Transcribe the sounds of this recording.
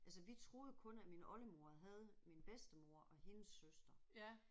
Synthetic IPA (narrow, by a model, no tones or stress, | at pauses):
ælsəʋit͡sʰʁo̝ːð̞̩ˠəkʰɔ̽næminʔɒ̽ləmo̝ɐɦɛð̞̩ˠminb̥esd̥əmo̝ɐ̰ʔɒ̽he̝nəsːøsd̥ɐ